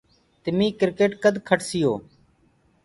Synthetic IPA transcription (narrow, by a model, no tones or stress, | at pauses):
t̪ɪmiːkɪɾkeːʈkəd̪ʱkʰəʈsɪjoː